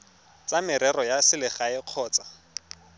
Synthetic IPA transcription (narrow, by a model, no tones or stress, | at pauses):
t͡sʼamɪɾɛrɔjasɪlɪχaɪq͡χʰɔːt͡sḁ